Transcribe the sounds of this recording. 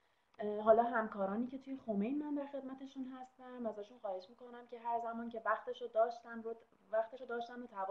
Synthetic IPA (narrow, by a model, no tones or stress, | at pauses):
ɦɒːlɒːɦæmkʰɒːɾɒːniːcʰe̞t̪ʰuje̞xo̞me̞jnmænd̪æɾxe̞d̪mæt̪ʰe̞ʃunɦæst̪æmæzæʃunxɒːhe̞ʃmiːko̞næmcʰʲe̞ɦæɾzæmɒːnce̞væxt̪e̞ʃod̪ɒːʃt̪ænɾo | væxt̪e̞ʃod̪ɒːʃt̪ænot̪ʰævɒ